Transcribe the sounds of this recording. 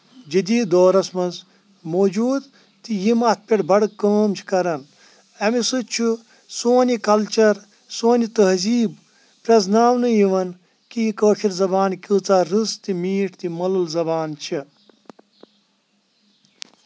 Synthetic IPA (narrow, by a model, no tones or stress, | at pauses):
d͡ʒid̪iːd̪oːɾɐsmɐz | moːd͡ʒuːd̪ | t̪ijimɐt̪̚ʰpʲeʈbʱɐɽkəːmt͡ʃʰi̥kɐɾɐn | ɐmisɨt͡ʃʰu | soːnʲikɐlt͡ʃɐɾ | soːnʲit̪ɐɦziːb | pɾɐznaːʋnɨjiʋɐn | kijikəːt͡ʃʰiɾzɐbaːnkʲɨt͡saːɾɨst̪imiːʈʰt̪imɐlɨlzɐbaːnt͡ʃʰi